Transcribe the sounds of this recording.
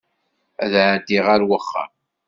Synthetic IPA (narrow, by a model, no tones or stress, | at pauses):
æðʕd̪iʁaɾwəχːa̰